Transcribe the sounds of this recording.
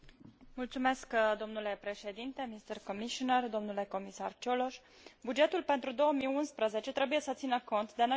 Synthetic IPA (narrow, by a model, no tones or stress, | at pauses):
mult̪sume̞skd̪o̞mnule̞pɾe̞ʃe̞d̪int̪e̞mist̪ərkomiʃonərd̪o̞mnule̞ko̞misa̰rt͡ʃoloʃ | bud͡ʒe̞t̪ulpent̪ɾud̪o̞wəmiunspɾəze̞t͡ʃe̞t̪ɾe̞buje̞sət̪sinəko̞nt̪d̪eno